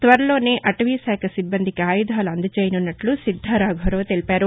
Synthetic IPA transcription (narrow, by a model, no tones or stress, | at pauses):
t̪ʋɐɾɐlo̞ːneːʔɐʈɐʋisɛːkʰɐsibːɐnd̪ʱikaːjud̪ʱaːluɐnd̪ɐt͡ʃeːjɐnunːɐʈlusid̪ʱːaɾaːɡʱɐɾo̞ːt̪e̞lipaːɾu